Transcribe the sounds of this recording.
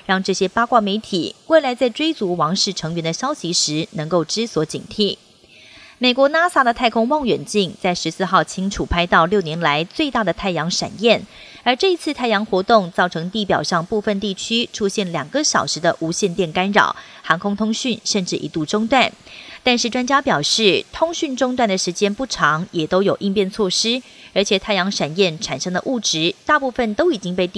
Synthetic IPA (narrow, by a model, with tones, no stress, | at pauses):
ɻɑ˥˧ŋʈ͡ʂɤ˥˩ɕjɛ˥pɑ˥kwa˥˩me˧˥ɪt̪ʰi˨˩we˥˩ɪla˧˥ɪt͡sa˥˩ɪʈ͡ʂwe˥ɪt͡su˧˥wɑ˧˥ŋʂɻ̩˥˩ʈ͡ʂʰɤ˧˥ŋɥɛ˧˥nd̪ə˧ɕjɑ˥ʊɕi˧˥ʂɻ̩˧˥nɤ˧˥ŋko˥˩ʊʈ͡ʂɻ̩˥swɔ˧˥t͡ɕḭ˨˩ŋt̪ʰi˥˩ | me˨˩kwɔ˧˥na˥sa˥d̪ə˨t̪ʰa˥˩ɪkʰʊ˥ŋwɑ˥˩ŋɥɛ˨˩nt͡ɕi˥˩ŋt͡sa˥˩ɪʂɻ̩˧˥sɹ̩˥˧xɑ˥˩ʊt͡ɕʰi˥ŋʈ͡ʂʰu˨˩pʰa˥ɪt̪ɑ˥˧ʊljo˥˩ʊnjɛ˧˥nla˧˥ɪt͡swe˥˧ɪt̪a˥˩d̪ə˩t̪ʰa˥˩ɪjɑ˧˥ŋʂa̰˨˩njɛ˥˩nə˞˧˥ʈ͡ʂɤ˥˩i˧˥t͡sʰɹ̩˥˧t̪ʰa˥˩ɪjɑ˧˥ŋxwɔ˧˥t̪ʊ˥˧ŋt͡sɑ˥˩ʊʈ͡ʂʰɤ˧˥ŋt̪i˥˩pjɑ˨˩ʊʂɑ˥˧ŋpu˥˧fə˥˧nt̪i˥˩t͡ɕʰy˥ʈ͡ʂʰu˥ɕjɛ˥˩nljɑ˨˩ŋɡə˧˦ɕjɑ˨˩ʊʂɻ̩˧˥d̪ə˧ʔu˧˥ɕjɛ˥˧nt̪jɛ˥˩nka˥nɻɑ̰˨˩˦ʊxɑ˧˥ŋkʰʊ˥ŋt̪ʰʊ˥ŋɕy˥˨nʂə˥˧nʈ͡ʂɻ̩˥˩ʔḭ˧˥t̪u˥˩ʈ͡ʂʊ˥ŋt̪wa˥˩nt̪a˥˧nʂɻ̩˥˩ʈ͡ʂwa˥nt͡ɕja˥pjɑ˨˩ʊʂɻ̩˥˩t̪ʰʊ˥ŋɕy˥˧nʈ͡ʂʊ˥ŋt̪wa˥˩nd̪ə˩ʂɻ̩˧˥t͡ɕjɛ˥npu˥˩ʈ͡ʂʰɑ˧˥ŋjɛ˨˩t̪o˥ʊjo˨˩ʊʔi˥˧ŋpjɛ˥˧nt͡sʰwɔ˥˩ʂɻ̩˥ə˞˧˥t͡ɕʰjɛ˨˩t̪ʰa˥˩ɪjɑ˧˥ŋʂa˨˩njɛ˥˩nʈ͡ʂʰa˨˩nʂɤ˥ŋdə̰˨ʔu˥˩ʈ͡ʂɻ̩˧˥t̪a˥˧pu˥˧fə˥˩nt̪o˥ʊi˨˩t͡ɕi˥ŋpe˥˧ɪt̪